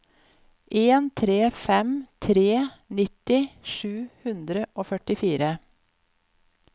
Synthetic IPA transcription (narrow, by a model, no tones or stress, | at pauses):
ʔeːnt̪ʰɾeːfɛmt̪ʰɾeːnɪt̪ɪʃʉːhʉnd̪ɾəʔoːfœʈɪfiːɾə